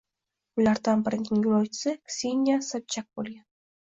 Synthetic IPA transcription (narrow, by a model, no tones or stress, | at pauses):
ʊlaɾd̪anbɪɾɪnɪŋjʊɾɒjt͡ʃʰɪ̥sɪksʲinʲjasab̚t͡ʃʰak̚bolˠɡʲan